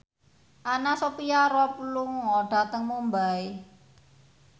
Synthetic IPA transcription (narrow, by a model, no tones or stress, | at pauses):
ʔanasopiaɾɔpulʊŋːɔɖ̥a̤t̪əŋmumbae